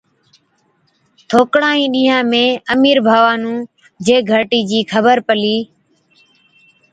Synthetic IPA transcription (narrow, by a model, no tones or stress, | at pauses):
t̪ʰoːkɽãːĩːɗĩːɦãːmẽːəmiːɾbʱaːʋaːnũː | d͡ʒeːɡʱəʈiːd͡ʒiːkʰəbəɾpəliː